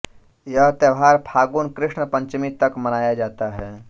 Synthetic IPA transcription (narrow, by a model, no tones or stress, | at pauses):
jɐɦt̪əʋɦaːɾpʰaːɡuːnkɾɪʂɳəpə̃ɲt͡ʃmit̪ɐkmənaːjad͡ʒaːt̪aɦɛː